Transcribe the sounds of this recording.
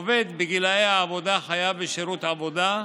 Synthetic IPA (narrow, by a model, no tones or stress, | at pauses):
ved̪beɡilajeaːvo̞d̪aχajaveʃeɾut̪avo̞d̪a